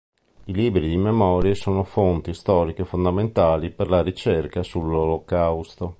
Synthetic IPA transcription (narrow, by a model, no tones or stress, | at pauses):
iliːbɾid̪imemɔːɾjesoːnofont̪ist̪ɔːɾikefond̪ament̪aːliperlaɾit͡ʃerkasulːolokawst̪o